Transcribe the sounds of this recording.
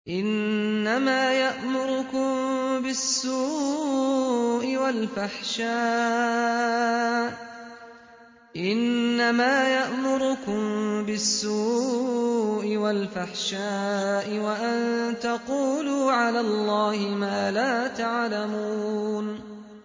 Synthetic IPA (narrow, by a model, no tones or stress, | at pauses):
ʔɪnːamaːjaʔmʊɾʊkʊmbɪsːuː | ʔɪwalfaħʃaː | ʔɪnːamaːjaʔmʊɾʊkʊmbɪsːuː | ʔɪwalfaħʃaːʔɪwaʔant̪aquːluːʕalaːlˤːɑːhɪmaːlaːt̪aʕlamuuːn